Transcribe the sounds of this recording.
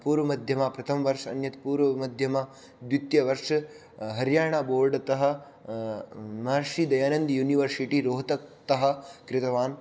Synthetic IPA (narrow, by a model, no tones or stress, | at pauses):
puːɾʋɐmɐd̪ʱjɐmaːpɾɐt̪ʰɐmɐʋɐɾʂɐɐ̰njɐt̪puːɾʋɐmɐd̪ʱjɐmaː | d̪ʋjut̪jɐʋɐɾʂɐ | ɦɐɾjaːɳaboːɾɖɐt̪ɐɦɐ̆ | maːɾʂid̪ɐjaːnɐnd̪juːniʋɐɾsiʈiɾoːɦɐt̪ɐk̚t̪ɐɦɐ̆kɾɪt̪ɐʋaːn